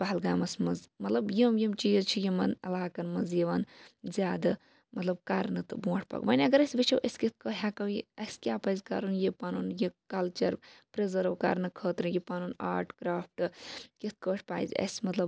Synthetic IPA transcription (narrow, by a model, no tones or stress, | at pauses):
baɦɐlɡaːmɐsmɐzmɐt̪lɐbjiːmjimt͡ʃiːzt͡ʃʰijimɐnɐ̰laːkɐnmɐzjiʋɐnzʲaːd̪ɨ | mɐt̪lɐb̚kaɾnɨt̪ɨbũːʈʰʲpɐ̰ɡʋɐnʲɐɡɐɾɐsʲʋit͡ʃʰɐwʔɐsʲkit̪̚ʰkəːɦʲaːkɐwjḭɐsʲkʲaːpɐjzʲkaɾunjipanunjikɐlt͡ʃɐɾpɾezəɾʋka̰ɾnɨkʰəːt̪ɾɨjipanuːna̰ːɾʈkɾaːfʰʈɨkit̪̚ʰkəːʈʰʲpaːizɐ̰sʲmɐt̪lɐb